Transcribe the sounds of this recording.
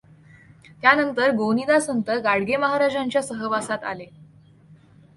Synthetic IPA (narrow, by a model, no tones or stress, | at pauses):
t̪janənt̪əɾɡonid̪asənt̪əɡaɽɡeməɦaɾad͡ʑaɲt͡ɕjasəɦəʋasat̪a̰le